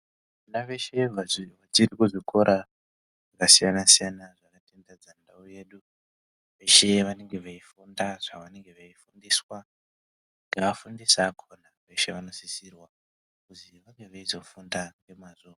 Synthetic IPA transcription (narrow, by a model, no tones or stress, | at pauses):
ʋanaʋe̞ʃe̞ʋaʋat͡ʃirikuʐikʰo̞ɾa | ʐakasijanasijanaʐakate̞ndad͡zandauje̞ɗu | ʋe̞ʃe̞ʋane̞ŋɡe̞ʋaifundaʐ̥aʋane̞ŋɡeʋaifundiːswa | ŋɡaːfundisaːkʰonaʋe̞ʃe̞ʋano̞sisirwa | kutiʋaŋɡeʋaizo̞fundaŋɡe̞mazoka